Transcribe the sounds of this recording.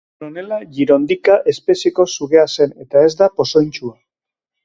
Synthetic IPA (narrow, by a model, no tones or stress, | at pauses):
nonelaʝiɾo̞nd̪ikaʔe̞spe̞seko̞suɣe̞ase̞ne̞t̪ae̞zd̪apo̞so̞jnt͡ʃua